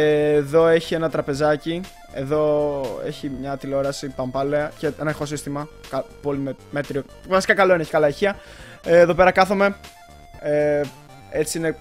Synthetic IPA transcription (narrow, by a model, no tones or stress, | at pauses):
ðo̞e̞çie̞nɐt̪ɾɐpe̞zɐci | e̞ðo̞e̞̰çimɲɐt̪iloɾɐsipɐmpɐleɐceenɐexo̞s̬ist̪imɐkɐpo̞limemet̪ɾio | vɐsi̥kɐkɐloineeçi̥kɐlɐeçiɐ | eːðo̞pe̞ɾɐkɐθome̞ | e | e̞t͡siine̞